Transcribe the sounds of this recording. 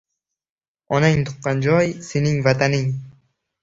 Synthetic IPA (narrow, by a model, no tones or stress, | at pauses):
ɒnaŋt̪ʰʊ̥qːɑnd͡ʒɒjse̞nɪŋvat̪ʰanɪŋ